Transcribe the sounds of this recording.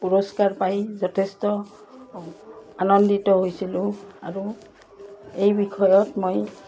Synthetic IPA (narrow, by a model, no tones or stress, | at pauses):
pɔɹɔskaɹpajzɔtʰestɔ | anɔnditɔɦojsilʊ̃aɹu | ejbikʰɔjɔtmoj